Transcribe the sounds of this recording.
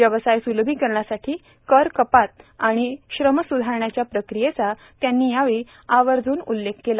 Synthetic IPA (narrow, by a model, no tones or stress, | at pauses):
jəʋəsajsulbʱiːkəɾɳjasaʈʰiː | kəɾkəpat̪̚aɽ̃iɕɾəməsud̪ʱaɾɳjat͡ɕjapɾəkɾijet͡sa | t̪janːiːjaʋi | aʋəɾd͡zʱuːnulːekʰkela